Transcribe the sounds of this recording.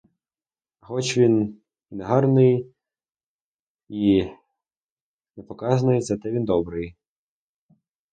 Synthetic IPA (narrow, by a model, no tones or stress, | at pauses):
xɔt͡ʃʋʲin | inɛɦɑrnɪj | i | nɛpɔkɑznʊjezɐt̪ɛʋʲind̪ɔbɾɪj